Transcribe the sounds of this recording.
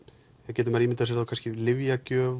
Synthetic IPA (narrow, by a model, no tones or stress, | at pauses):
ɛðcɛːt̪ʏmaɾimɪnt̪as̬ɛɾθawkʰanscɪlɪvjacœːv